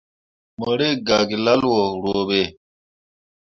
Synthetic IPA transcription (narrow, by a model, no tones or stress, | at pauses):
məɽeɡaɡilɐlwoɽoːbe